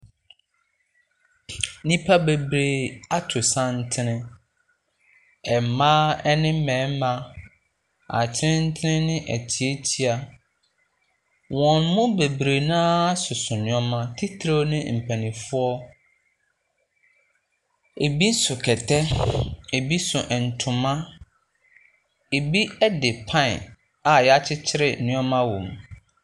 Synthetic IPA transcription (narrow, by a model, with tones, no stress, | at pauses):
nĩ˦pʰa˦be˨bɾe˨a˦tʰʊ˨sã˦n̩˦tʰɪ˦nɪ̃˦ | ɛ˨m˨mãː˦ɛ˦nɪ̃˦mɛ̃ː˨˦mã˦ | a̰˨t͡ɕʰɪ˦nɪ̃˦n̩˦tʰɪ˦nɪ̃˦nɪ̃˦ʔɛ̰˨tʰi˨e˦tʰi˦a˨ | wɔ̃˨nmʊ̃˦be˨bɾe˨nãː˦sʊ˨sʊ̃˨nɪ̃˨˦ɔ˦mã˦tʰi˦tʰɾo˦nɪ̃˦m̩˨pʰæ̃˨nĩ˨fʊ˦ɔ˦ | e˨bi˦sʊ˨kʰɛ˨tʰɛ˦e˨bi˦sʊ˨ʔɛ˨n̩˨tʰʊ̃˨mã˦ | e˨bi˦ɛ˦dɪ˨pʰã˦˨ | a˨jɛ˨a˦t͡ɕʰɪ˦t͡ɕʰɪ˦ɾɪ˨nɪ̃˦ɔ̃˦mã˦wõ˨m